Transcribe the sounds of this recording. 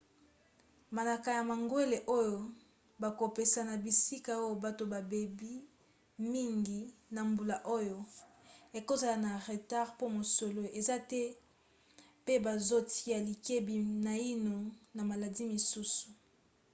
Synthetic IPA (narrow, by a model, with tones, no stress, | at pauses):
ma˨na˨ka˨ja˨ma˨ŋɡwe˦le˨ʔo˦jo˨ | ba˨ko˨pe˨sa˨na˨bi˨si˦ka˨o˦jo˦˨ba˨to˨ba˨be˨bi˦ | mi˦ŋɡi˨na˨mbu˨la˨ʔo˦jo˨ | e˨ko˦za˨la˨na˨ʁe˨ta˦ʁpo˦mo˨so˨lo˦e˨za˦tɛ˦ | pe˦ba˨zo˦ti˦a˨li˨ke˦bi˨na˨i˦no˨na˨ma˨la˨di˦mi˨su˦su̥˨